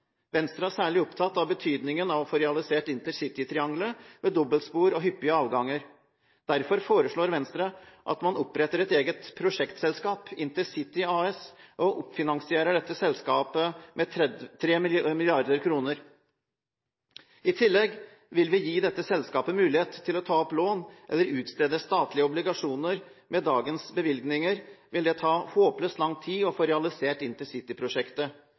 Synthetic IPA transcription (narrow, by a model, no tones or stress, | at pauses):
ʋɛnst̪ɾɑæʂæːɭɪɔpt̪ʰɑt̪ːɑʋbət̪ʰyːd̪nɪŋənɑʋɔfɔɾɛɑlɪseːʈɪnt̪əɾsɪt̪ɪt̪ʰɾɪɑŋɡləʋeːd̪ɔbəlt̪spuːɾɔɦʏpːɪəɑːʋɡɑŋːəɾ | d̪̥æɾfɔɾfoːɾəʂɭoːɾʋɛnst̪ɾɑʔɑ̰t̪mɑnɔpɾɛt̪ːəɾɛt̪eːɡət̪pʰɾʊʂɛkt̪sɛlskɑːpɪnt̪əsɪt̪ɪɑːɛsʔɔʔʊpːfɪnɑŋsɪeːɾəɖɛt̪ːəsɛlskɑːpəmʔɛt̪ʰɾeːmmɪlɪɑɾd̪əɾkʰɾuːnəɾ | ɪt̪ʰɪlːɛɡ | ʋɪlʋɪjiːd̪ɛt̪ːəsɛlskɑːpəmʉːlɪheːt̪ʰːɪlɔt̪ʰɑːɔploːnʔɛ̰lːəɾʉːt̪st̪ɾeːd̪əst̪ɑːt̪lɪəʊblɪɡɑʂuːnəɾ | mɛd̪ɑːɡənsbəʋɪlɡnɪŋəɾʋɪld̪ɛt̪ʰɑːhoːpəløːst̪lɑŋt̪ʰiːɔfoːɾɛɑlɪseːʈɪnt̪ɪsɪt̪ɪpʰɾʊʂɛkt̪ə